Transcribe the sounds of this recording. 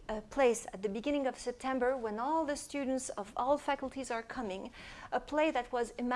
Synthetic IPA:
əpʰl̥eɪsɨt̪̚ðɨbɨɡɪ̃ñɪ̃ŋʌv̥sɛp̚tʰɛ̃mbə˞wɛ̃nɔlˠðɨstʉdⁿn̩tsʌvɔlˠfækl̩ˠtʰizə˞kʰʌmɪ̃ŋəpʰl̥eɪðɨt̚wʌzɨm

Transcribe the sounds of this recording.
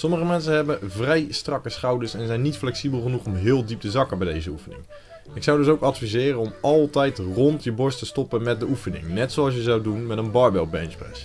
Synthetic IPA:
sɔməχəmɛns̬ənɦɛbənvrɛjstrɑkəsχɑwdəsɛnzɛjnːitflɛksibəlˠχənuχɔmɦɪːlˠdip̚təzɑkəbɛjdejzəufənɪ̰ŋ | nɪksɑwdɵs̬owkɑtfizɪːrənɔmʔɑlˠtɛjtrɔntjəbɔɹstəstɔpənmɛt̚dəʔufənɪ̰ŋnɛtsowɑlˠs̬jəzɑwdunmɛtənbɑːɹbɛlˠbɛ̰nprɛ̰s

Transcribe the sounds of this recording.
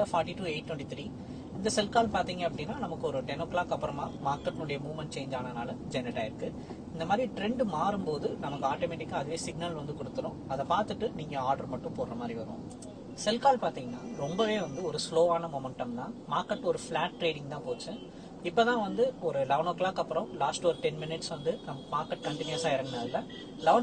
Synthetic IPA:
ɐfaːɾʈːiʈuːeːʈ̚ːʈ̪wɛɳʈit̪ɾi | ɪnd̪ɐsɛlkaːlpaːɾt̪iːŋɡɐɐpːɐɽɪnːaːnɐmɐkːɯɔɾɯʈɛnoːkːlaːkɐpːɐɾɐma̰ːmaːɾkːɐʈːnʊɽɐjɐmuːʋmɐɳʈ̚t͡ʃeːɲd͡ʒaːnɐnaːlɐd͡ʒɛnːɪʈːaːɪɾɯkːɯ | ɪnd̪ɐmaːd̪ɾiʈɾɛɳɖmaːɾɯmpoːðɯnɐmɐkːɯaːʈoːmɛʈɪkːaːɐðɯʋeːsɪɡ̚nɐlʋɐnd̪ɯkɔɽɯt̪ːɯɾʊ̃ːɐðɛpaːɾt̪ɯʈːɯniːŋɡɐaːɾɽɐɾmɐʈːʊ̃poːɾɾɐmaːd̪ɾiʋɐɾõ̰ː | sɛlkaːlpaːɾt̪ĩːŋɡɐnːaːɾɔmbɐʋeːʋɐnd̪ɯɔɾɯsloːaːnɐmɔmɛɳʈɐmt̪ãːmaːɾkɐʈːɔɾɯflaːʈːɾeːɽɪ̃ŋɡt̪ãːpoːt͡ʃːɯ̃ | ɪpːoːt̪ãːʋɐnd̪ɯɔɾɯlɐʋnoːklaːkːɐpːɯɾɐ̃mlaːsʈɔɾɯʈɛnmɪnɪʈsʋɐnd̪ɯnɐmɐmaːɾkːɐʈ̚kɐɳʈɪnjʋɐsaːɪɾɐŋɡɐnaːlɐ | lɐʋn

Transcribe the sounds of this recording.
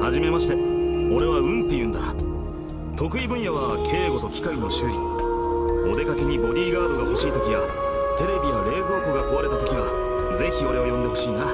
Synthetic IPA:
haʑime̞maɕi̥t̪e̞o̞ɾe̞βaɯ̟̃nt̪ːe̞jɯ̟̃ːnd̪a | t̪o̞kɯ̟ibɯ̟̃ɰ̃jaβakʰe̞ːɡo̞t̪o̞kʲi̥kakɯno̞ɕɯi | o̞d̪e̞kake̞ɲ̟ibo̞ɾʲiːɡaːd̪o̞ɡaooɕiːt̪o̞kʲiβat̪e̞ɾe̞bʲijaɾe̞ːzo̞ːkɯ̟ɡako̞βaɾe̞t̪at̪o̞̥kʲiβa | d͡ze̞çio̞ɾe̞o̞jõ̞nd̪e̞ɦo̞̥ɕiːna

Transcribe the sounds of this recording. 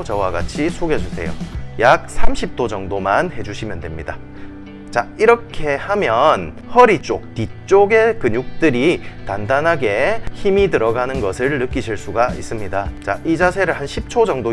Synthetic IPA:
t͡ɕʌwaɡa̰t͡ɕʰisʰoɡjʌd͡ʑusʰe̞̰jo̰jak̚sʰamɕʰip̚t͈od͡ʑʌŋdomanhe̞d͡ʑuɕʰimjʌndwe̞mɲida̰ | t͡ɕaiɾʌkʰe̞hamjʌn | hʌɾit͡ɕ͈ok̚tit͡ɕ͈oɡe̞kɯɲuk̚t͈ɯɾitandanɦaɡe̞çimitɯɾʌɡanɯnɡʌsʰɯɭːɯk͈iɕʰiɭs͈uɡais͈ɯmɲidat͡ɕa̰ʔid͡ʑasʰe̞ɾɯɭhanɕʰip̚t͡ɕʰod͡ʑʌŋdo

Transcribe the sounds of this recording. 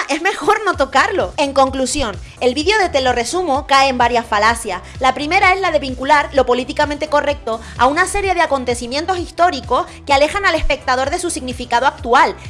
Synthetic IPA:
ʔe̞zme̞xo̞ɾno̞t̪o̞kaɾlo̞e̞ŋkõ̞ŋklusjo̞n | e̞lβiðjo̞ðe̞t̪e̞lo̞re̞sumokaeːmbaɾjasfalasjaslapɾime̞ɾae̞zlaðe̞βiŋkulaɾlo̞po̞lit̪ikamẽnt̪e̞ko̞re̞k̚t̪o̞ | a̰unase̞ɾje̞ð̞eako̞nt̪e̞simje̞nt̪o̞sist̪o̞ɾiko̞s | keale̞xanale̞spe̞k̚t̪aðo̞ɾðe̞susiɣnifikaðoak̚t̪ual

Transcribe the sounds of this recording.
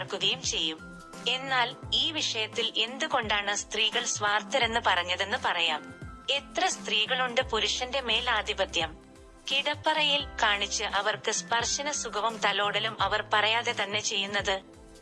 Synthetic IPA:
rkuðejumt͡ɕe̞jːum | e̞nːaːliːʋiʂɐjɐt̪ːile̞nd̪uko̞ɳɖaːɳɨst̪riːɣɐɭsʋaːrt̪ɐɾe̞nːɨpɐrɐɲːɐðe̞nːɨpɐrɐjaːme̞t̪rɐst̪riːɣɐɭuɳɖɨpuɾuʂɐnde̞me̞ːlaːd̪ʱibɐt̪jɐm | kiɽɐpːɐrɐjilkaːɳit͡ɕːɨʔɐʋɐrkɨspɐrʂɐnɐsuɡɐʋɐmt̪ɐlo̞ːɽɐlumʔɐʋɐrpɐrɐjaːðe̞t̪ɐnːe̞t͡ɕe̞jːunːɐðɨ

